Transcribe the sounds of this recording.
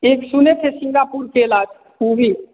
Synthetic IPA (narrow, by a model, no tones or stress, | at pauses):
eːksʊnet̪ʰesɪ̃ŋɡapuɾkelaːd͡ʒ | ubʱi